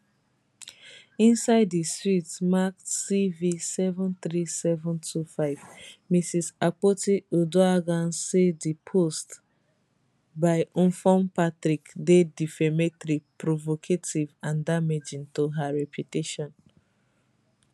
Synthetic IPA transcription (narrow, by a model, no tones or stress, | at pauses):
ĩnsaɪdːistɹitmaksivisɛvɔ̃nθɹisɛvɔ̃ntʰufaɪvmisisak͡potiodoaɡãnsedipʰost | baɪũnfɔ̃mpatɹikdedifɛmɛtɾipɹovokʰetʰivãndamed͡ʒĩntoɦaɹɛpʰjuteʃɔ̃n